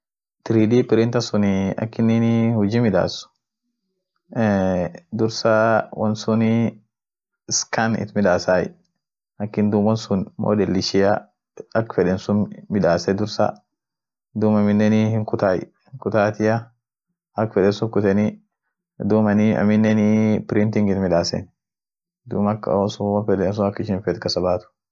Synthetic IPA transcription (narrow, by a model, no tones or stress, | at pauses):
t̪ɪɾiːd̪iːpɪɾɪnt̪ɐsʊnɪɐ̰kːɪnːinhʊd͡ʒiːmɪᶑa̰ːsʊ̥ | d̪ʊɾsɐwʔɐnsʊn | skanɪ̰t̪mɪᶑaːsaːj̰ | ɐkːɪnd̪uːmwɐnsʊnmo̰ːd̪ɛlːɪʃɪjɐ | ɐkːfɛᶑɛnsʊnmɪᶑaːsɛd̪ʊɾsa̰ | d̪uːmɐmɪnːɛnihɪŋkʊt̪aːj̰ | hkʊt̪aːt̪ɪjɐ | ɐkːfɛᶑɛnsʊŋkʊt̪ɛni | d̪uːmɐniɐ̰mɪnːɛnipɪɾɪnt̪ɪŋɡɪt̪mɪᶑaːsɛ̰n | d̪uːmɐkːɐ̰wnsʊwɐnfɛdɛns̬ʊnɐkːɪʃɪnfɛt̪kɐsɐbaːt̪ʊ̥